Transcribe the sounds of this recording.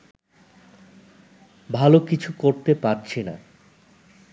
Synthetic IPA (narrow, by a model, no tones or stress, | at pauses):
bʱalokit͡ɕʰukoɾt̪epaɾt͡ɕʰena̰